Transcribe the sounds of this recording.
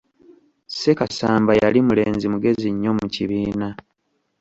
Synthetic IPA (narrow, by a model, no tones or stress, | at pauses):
se̞kasaːmbajalimule̞ːnzimuɡe̞ziɲːo̞muciβiːna